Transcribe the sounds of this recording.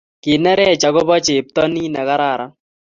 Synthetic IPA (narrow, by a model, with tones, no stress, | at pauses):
ki˨nɛ˦ɾɛ˦˨t͡ʃa˨ɡɔ˦bɔ˦t͡ʃe˨p̚tɔ˦niː˦nɛ˨ka˦ɾa˦˨ɾa˦